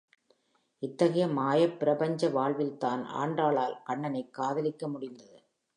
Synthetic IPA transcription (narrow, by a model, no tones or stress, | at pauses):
ɪt̪ːɐɣɐjɐmaːjɐpːɪɾɐpɐɲd͡ʒɐʋaːɭʋɪlt̪aːna̰ːɳɖraːɭaːlkɐɳːɐnɐɪkːaːðɐlɪkːɐmʊɽɪnd̪ɐðɯ